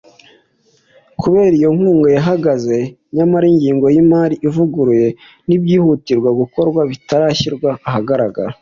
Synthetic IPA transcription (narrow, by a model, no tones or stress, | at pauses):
kʰuβe̞ːɾijo̞ŋ̥uːŋɡo̞jaɦaɡaze̞ | ɲamaɾiɲɟiːŋɡo̞jimaːɾiʔivuɡuɾuje̞ | nibjiːhutiɾɡwaɡuko̞ɾɡwaβitaɾaçiɾɡwaːɦaɡaɾaɡa̰ɾa